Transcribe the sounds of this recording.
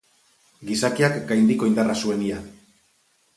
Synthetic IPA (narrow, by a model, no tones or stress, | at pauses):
ɡisakiakɡajnd̪iko̞ind̪arasue̞nia